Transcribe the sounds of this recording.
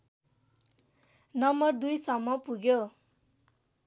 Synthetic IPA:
nʌmbʌrd̪ujsʌmːʌpuɡjo

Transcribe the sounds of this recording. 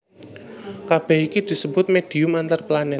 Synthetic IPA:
kab̥ɛ̤ikid̪̥i̤səbʊt̪̚med̪̥i̤ʊmant̪arplanɛt̪̚

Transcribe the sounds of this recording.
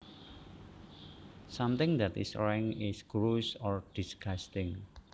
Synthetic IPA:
samt̪ɪ̃ŋd̪ɛt̪ḭsɾɛŋɪsɡɾusɔrd̥isɡast̪ɪŋ

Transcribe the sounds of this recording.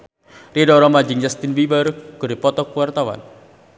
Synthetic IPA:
ridɔɾɔmad͡ʒɪŋjast̪inwibərɡ̥ɔ̤ɾipɔt̪ɔk̚wart̪awa̰n

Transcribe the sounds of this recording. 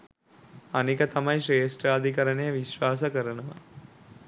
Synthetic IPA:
anikət̪amɐjʃeːsʈraːd̪ʱikɐɾənejəʋiʃʋaːs̬ɐkəɾənəʋa̰

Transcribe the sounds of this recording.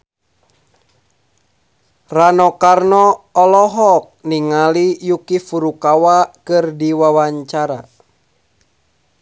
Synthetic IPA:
ranɔkarnɔːlɔɦɔk̚niŋalijukifuɾukawakɨrdiwawaɲt͡ʃaɾa

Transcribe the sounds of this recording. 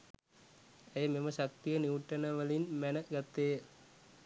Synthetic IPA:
æjəmeməʃak̚t̪ijəniuʈːənəʋəlinmænəɡat̪ːejə

